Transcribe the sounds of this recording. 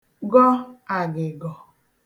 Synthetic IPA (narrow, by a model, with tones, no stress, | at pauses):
ɡɔ˦a˨ɡɪ˨ɡɔ˨